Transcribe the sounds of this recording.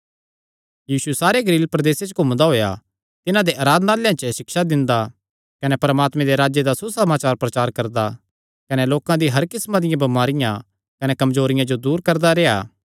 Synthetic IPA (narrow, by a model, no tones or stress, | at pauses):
jiːsuɛsaːɾeɡɐliːlpɾɐd̪eːset͡ʃəkʊmd̪aɦoːja̰ | t̪ɪnãd̪eʔaːɾaːd̪naːljãt͡ʃəʃɪkʃad̪ɪ̃nd̪a | kɐnɛpɐɾmaːt̪mẽd̪eɾaːd͡ʒjed̪asusɐmaːt͡ʃaːɾpɾɐt͡ʃaːɾkɐɾd̪a | kɐnɛloːkãd̪iɦɐɾkɪsmãd̪ɪjãbɐmaːɾɪjã | kɐnɛkɐmzoːɾɪjãd͡ʒod̪uːɾkɐɾd̪aɾeːa̰ː